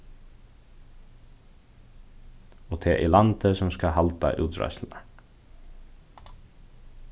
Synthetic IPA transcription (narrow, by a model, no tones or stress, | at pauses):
ɔt̪ʰɛʔilant̪ɪsɔmskaɦalt̪a̰ʔṵːt̪ɾa̰jsl̩na